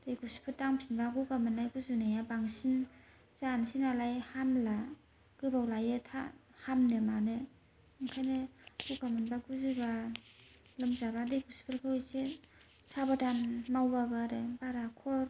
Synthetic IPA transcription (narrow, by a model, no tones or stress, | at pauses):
d̥ejɡuspʰɯtaŋpʰinbaɡukamɯnːajɡuzunajabaŋsin | zansinalajhamla | ɡ̥ɯbawlajetʰa̰ | hamnɯmanɯ | ɯŋkʰajneɡuɡamɯnbaɡuzɯba | lɯmzabadejɡuspʰɯɾkʰɯwjse | sabadanmawbabaɾebaɾakʰɔɾ